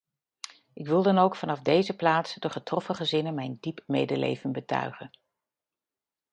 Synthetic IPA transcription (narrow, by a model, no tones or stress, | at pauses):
ʔɪkʋɪlˠdɑnowkfɑnɑvdejzəplaːtsdəχətrɔfəχəzɪnənmɛjndipmḛjdəlḛjvənbətœ̰ɥχən